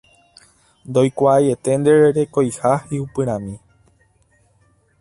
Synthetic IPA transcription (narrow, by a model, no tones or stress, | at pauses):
nd̪o̞jkʷaːje̞t̪e̞nd̪e̞ɾeɾe̞kojhaiupɨ̃ɾ̃ãmĩ